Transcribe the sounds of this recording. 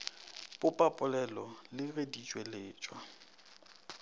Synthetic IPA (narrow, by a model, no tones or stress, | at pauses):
bʊpʼapʼʊlɛlɔlɪɣedit͡ʃʼweleːt͡ʃʼwa